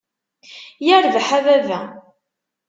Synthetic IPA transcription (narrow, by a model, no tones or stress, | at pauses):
jæɾvħævævæ